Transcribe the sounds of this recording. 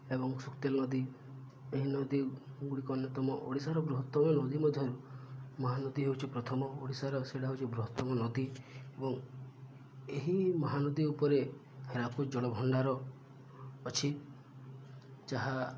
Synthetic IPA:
ebɔŋsukt̪elnɔd̪i | eɦinɔd̪iɡuɽikɔnjɔt̪ɔmɔʔoɽisaɾɔbɾuɦɔt̪ːɔmɔnɔd̪imɔd̪ʱjɔɾumɔɦanɔd̪iɦewt͡ʃʰipɾɔt̪ʰɔmɔoɽisaɾɔseɽaɦewt͡ʃʰibɾuɦɔt̪ːɔmɔnɔd̪iebɔŋ | eɦimɔɦanɔd̪iupɔɾe | heɾapʰud͡ʒɔɽɔbʱɔɳɖaɾɔː | t͡ʃʰi | t͡ʃaɦa

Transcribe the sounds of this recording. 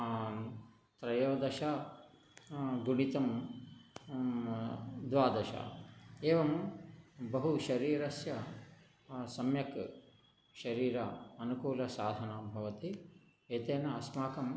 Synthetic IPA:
t̪ɾɐjoːd̪ɐʃa | ɡuɳit̪ɐm | d̪ʋaːd̪ɐʃɐ̰eːʋɐm | bɐɦuʃɐɾiːɾɐsjɐ | sɐmjɐk | ʃɐɾiːɾɐɐnukuːlɐsaːd̪ʱɐnabʱɐʋɐt̪i | eːt̪eːnɐːsmaːkɐm

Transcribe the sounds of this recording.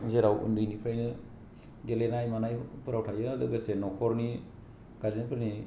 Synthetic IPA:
zeɾawṵndɯjnipʰajnɯ | ɡelenajmanajpɯɾawtʰajɯdɯɡɯsenɔkʰɔɾni | ɡ̥azinpʰɯɾni

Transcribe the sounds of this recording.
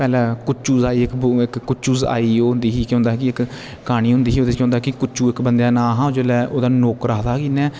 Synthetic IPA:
pɛːlɛ̃ːkʊt͡ʃuːzaːiːɪkbɪkːʊt͡ʃuːza̰ːiːoːnd̪iːɦiːkjõːnd̪aɦɛːkɪɪkː | aːɽ̃iːɦʊ̃nd̪iːɦiːoːd̪ekjõːnd̪aɦɛkɪkʊt͡ʃuːɪkbənd̪jaːnãːɦãːd͡ʒoːlɛːʔoːd̪aːnoːkɾaːd̪aːkinɛː

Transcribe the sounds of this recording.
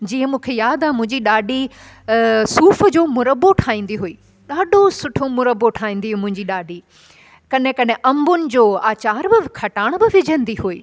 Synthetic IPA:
d͡ʑiːə̃mũːkʰejaːd̪aɦmʊ̃ɦɪ̃ɲd͡ʑiɗaːɖʱi | suːfəd͡ʑoːmʊɾəboʈʰaːĩːn̆d̪iɦuiː | ɗaːɗʱosʊʈʰomʊɾəbːoʈʰaːĩːn̆d̪iɦmʊ̃ɦɪ̃ɲd͡ʑiɗaːɖʱi | kɐɗɪ̃kɐɗɪ̃̆ʔɐ̃mbʊnɪ̆d͡ʑoːaːt͡ɕaːɾbɪkʰɐʈaːɽ̃bɪʋɪd͡ʑʱə̃n̆d̪iɦuiː

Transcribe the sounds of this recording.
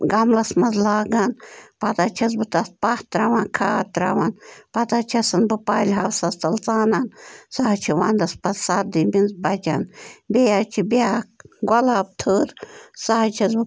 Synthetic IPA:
ɡɐmlɐsmɐzlaːɡanpɐd̪aːt͡ʃʰɐzbɨt̪ɐspaht̪ɾaʋãːkʰaːt̪ɾa̰ʋanpɐd̪at͡ʃʰɐsɨnbɨpaːlʲɦɐwsɐst̪ɐlt͡saːnansaɦɐt͡ʃʰiʋaːnd̪ɐspɐzsad̪ibʲinzbɐd͡ʒa̰nbʲejat͡ʃʰibʲaːkɡɐlaːb̚t̪ʰəːɾsaɦt͡ʃʰɐzbɨ

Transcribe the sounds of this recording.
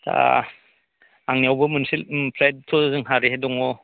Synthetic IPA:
tʰa̰ | aŋniawbɯmɯnsilpʰlajt̚tʰɔzɯŋɦaɾiɦedɔŋɔ

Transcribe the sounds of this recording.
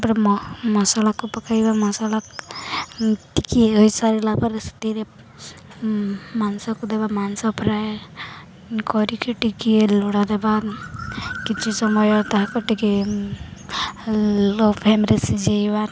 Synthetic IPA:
pɾmɔsalakupɔkajbamɔsala | ʈikieojsaɾilapaɾst̪iɾe | mansɔkud̪ɛbamansɔpɾaj | kɔɾikeʈikieluɽad̪ɛba | kit͡ʃʰisɔmɔjɔt̪aɦakɔʈiki | lopʰemɾesid͡ʒejba

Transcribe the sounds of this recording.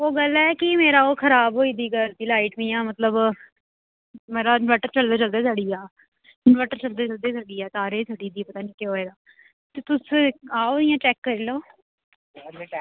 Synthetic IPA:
oːɡəlɛːkɪmeːɾaːoːkʰəɾaːbɦoːiːd̪iːkəɾt̪iːlaːɪʈmiːãːmət̪ləb | meːɾaːʋɛːʈəɾt͡ʃəld̪aːt͡ʃəld̪aːsaːɽiːaː | ɪnʋɛːʈəɾt͡ʃəld̪eːt͡ʃəld̪eːsaːɽiːɛːt̪aːɾeːsʰaːɖiːd̪iːpət̪aːnĩːkeɦoːeːd̪aː | t̪et̪ʊsaːoːɪjãːt͡ʃɛːkːəɾiːloː

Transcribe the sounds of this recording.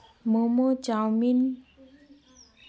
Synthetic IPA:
momot͡ɕawmin

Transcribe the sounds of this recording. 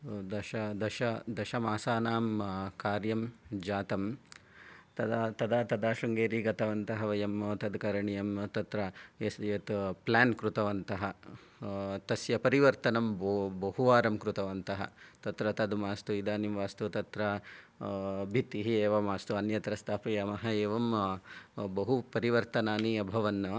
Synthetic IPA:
d̪ɐʃɐd̪ɐʃɐd̪ɐʃɐmaːsaːnaːmkaːɾjɐmd͡ʒaːt̪ɐm | t̪ɐd̪at̪ɐd̪at̪ɐd̪aːʃɐŋɡeːɾiːɡɐt̪ɐʋɐnt̪ɐɦɐʋɐjɐmoːt̪ɐd̪kɐɾɐɳijɐmt̪ɐt̪ɾɐeset̪plaːnkɾut̪ɐʋɐnt̪ɐɦɐ | t̪ɐsjɐpɐɾiʋɐɾt̪ɐnɐmbbɐɦuʋaːɾɐmkɾut̪ɐʋɐnt̪ɐɦɐ̰t̪ɐt̪ɾɐt̪ɐd̪maːst̪uid̪aːnimʋaːst̪ut̪ɐt̪ɾɐ | bʱit̪iɦieːʋɐmaːst̪uɐnjɐt̪ɾɐst̪ʰaːpɐjɐmɐɦɐeːʋɐm | bɐɦupɐɾiʋɐɾt̪ɐnaːniɐbʱɐʋɐnːɐ

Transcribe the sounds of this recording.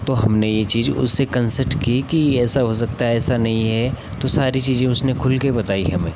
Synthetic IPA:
t̪oɦɐmnejet͡ʃiːzʊ̰sːekɐ̃nsəɾʈkikiɛːsaɦos̬ɐk̚t̪aɛːsanɐɦĩɦɛ | t̪osaːɾit͡ʃiːzẽʊsnekʰʊlkebɐt̪aːiɦɐmẽː

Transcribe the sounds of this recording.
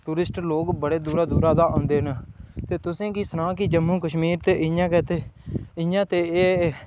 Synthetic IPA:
ʈuːɾɪsʈloːkbəɽeːd̪uːɾaːd̪uːɾaːd̪aːʔõːnd̪eːɦnt̪eːt̪ʊsẽːkiːsənãːkiːd͡ʒəmũːkəʃmiːɾt̪eːʔɪjãːkɛːt̪eːɪjãːt̪eːeː

